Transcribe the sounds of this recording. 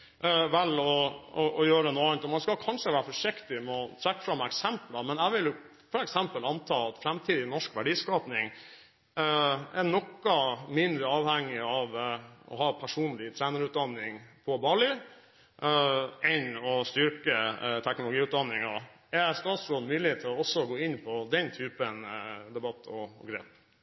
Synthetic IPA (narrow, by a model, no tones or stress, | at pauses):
ʋɛlɔɔʔɔjøːɾəənuːɑnt̪ɔmɑnskɑkʰɑnʂəʋæːɾəfɔʂɪkt̪ɪmɛɔt̪ʰɾækːə̥fɾɑmːɛksɛmplɑmɛnæɪʋɪljʊ | fɔɾɛksɛmpəlɑnt̪ʰɑːɑt̪fɾæmt̪ʰiːd̪ɪnɔʂkʋæɖiːskɑːpnɪŋ | ɛnɔkːɑmɪnd̪ɾəɑːʋhɛŋːɪɑʋɔ̰ɦɑːpʰæʂuːnlɪt̪ʰɾæːnəɾʉːt̪̚d̪ɑnːɪŋpʰɔbɑɭɪ | ɛnɔst̪ʏɾkət̪ʰɛknʊlʊɡiːʉːd̪ɑnːɪŋɑ | ɛst̪ɑːt̪sɾoːd̪mʉːlɪt̪ʰːɪlɔɔsːɔɡoːɪnːpʰɔd̪ɛnt̪ʰyːpənd̪ɛbɑt̪ʰːɔɔ̰ɡɾeːp